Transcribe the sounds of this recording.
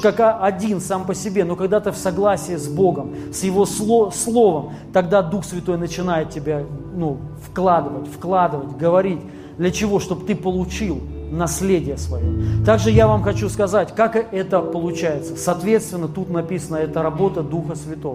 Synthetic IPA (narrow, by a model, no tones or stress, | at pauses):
kakaʔɐdʲinsampəsʲɪbʲe̞no̞kɐɡd̪at̪ɨfsɐɡlˠasʲɪjəzbo̞ɡəmsjɪvo̞slˠoslˠo̞vəm | t̪ɐɡd̪ad̪uxsvʲɪt̪o̞jnət͡ɕɪnajɪt̪tʲɪbʲanufklˠad̪ɨvətʲfklˠad̪ɨvət̚ʲɡəvɐɾʲitʲ | d̪lʲət͡ɕɪvo̞ʂt̪o̞bt̪ɨpəlˠʊt͡ɕilˠnɐsʲlʲedʲɪjəsvɐjot̪aɡʐɨjavamxɐt͡ɕuskɐzatʲkakɨʔɛt̪əpəlˠʊt͡ɕæjɪt̪sə̥sɐːt̪vʲe̞t̪st̪vʲɪnːət̪ut̪nɐpʲisənəɛt̪əɾɐbo̞t̪əd̪uxəsvʲɪt̪o̞və